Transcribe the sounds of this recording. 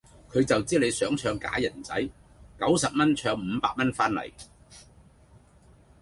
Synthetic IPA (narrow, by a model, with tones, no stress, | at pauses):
kʰɵ˨˧ɥt͡sɐ˨wt͡siː˥le˨˧jsœː˨˥ŋt͡ʃʰœː˧ŋka̰ː˨˥jɐ˨˩nt͡sɐ˨˥j | kɐ˨˥wsɐ˨p̚mɐ˥nt͡ʃʰœː˧ŋm̩ː˨˧paː˧k̚mɐ˥nfaː˥nlɐ̰˨˩j